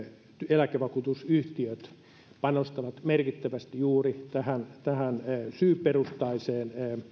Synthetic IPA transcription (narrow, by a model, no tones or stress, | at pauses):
elækeʋɑkuːt̪usyht̪iøt̪ | pɑnost̪ɑʋɑt̪merkit̪ːæʋæst̪ijuːrit̪æhænt̪æhænsyːpːerust̪ɑiseːn